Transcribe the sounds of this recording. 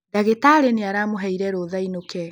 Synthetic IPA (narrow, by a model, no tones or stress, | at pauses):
daɣetaɾeneaɾamoɦɛiɾɛɾoðainokɛ